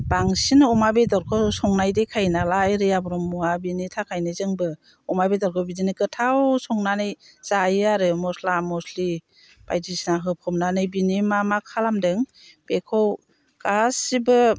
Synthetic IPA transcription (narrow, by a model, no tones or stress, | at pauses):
b̥aŋsinɯɔmabedɔɾkʰɔsɔŋnajdejkʰajnalajɾɯjabɔɾɔmːɔabinitʰakʰajnɯzɯŋbɯ | ɔmabedɔɾkʰɔbidinɯkɯtʰawsɔŋnanɯj | z̥ajaɾɯmɔslamɔsli | b̥ajdisnaɦɯpʰɔmnanɯjbinimamakʰalamdɯŋ | b̥ekʰɔw | kasibɯ